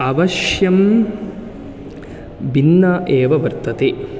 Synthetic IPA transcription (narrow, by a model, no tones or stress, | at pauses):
ɐʋɐʃjɐm | binːɐʔeːʋɐʋɐɾt̪ɐt̪e